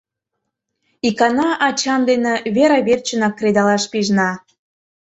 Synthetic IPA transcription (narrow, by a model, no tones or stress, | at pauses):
ikɑnɑʔɑt͡ɕɑnd̪enĕβeɾɑβert͡ɕənɑkːred̪ɑlɑʃpiʒnɑ